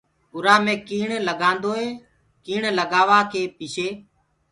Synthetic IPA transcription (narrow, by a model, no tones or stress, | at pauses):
ʊɾaːmẽːkiːɳləɡãːnd̪oːeː | kiːɳləɡaːʋaːkʰeːpɪʃʰeː